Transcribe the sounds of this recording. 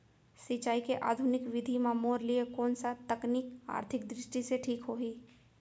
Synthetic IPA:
sɪt͡ʃaːikeʔa̰ːd̪ʱʊnɪkʋɪd̪ʱimamoːɾliekɔːnsat̪əknɪka̰ːɾt̪ʰɪk̚d̪ɾɪʃʈiseʈʰiːkɦoːiː

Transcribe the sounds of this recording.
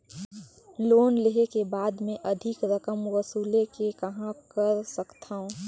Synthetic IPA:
loːnleɦekebaːd̪mẽʔəd̪ʱɪkɾəkəmwəsuːlekekɐɦãkəɾsəkt̪ʰaːõ

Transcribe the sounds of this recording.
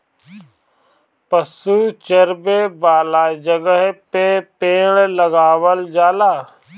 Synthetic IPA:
pəsuːt͡ʃəɾbebaːlaːd͡ʒəɡəɦpepeːɳləɡaːwəld͡ʒaːlaː

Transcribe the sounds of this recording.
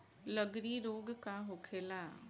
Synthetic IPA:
ləɡɾiɾoːɡkaɦokʰeːlaː

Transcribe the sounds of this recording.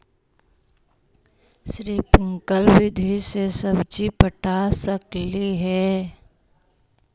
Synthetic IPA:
ʃɾiːpɪ̃ŋkəlʋɪd̪ʱisesəbd͡ʒipəʈʰasəkliɦɛː

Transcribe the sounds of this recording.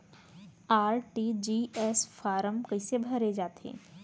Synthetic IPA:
aːɾʈid͡ʒiɛsfʰaːɾəmkəisebʱɐɾed͡ʒaːt̪ḛ̃ː

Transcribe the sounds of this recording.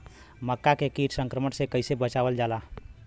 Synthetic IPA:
məkːakekiʈsə̃ŋkɾəmənsekəɪsebət͡ʃabəld͡ʒala

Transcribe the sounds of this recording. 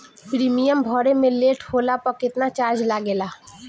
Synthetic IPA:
pɾimijəmbʱɔɾemẽleːʈʰhoːlapəkɪt̪nat͡ʃaːɾd͡ʒlaɡela

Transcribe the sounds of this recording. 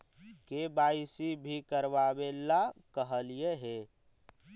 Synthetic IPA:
kebaːɪsibʱikəɾʋaːbelakəɦəlieɦeː

